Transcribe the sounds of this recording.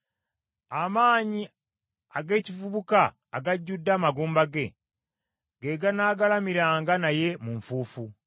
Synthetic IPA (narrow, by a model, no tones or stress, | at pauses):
amaːɲi | aɡe̞ːcivuβukaː | ɡaɟːudːaːmaɡuːmbaɡe̞ | ɡe̞ɡanaːɡalamiɾaːŋɡanaje̞muɱfuːfu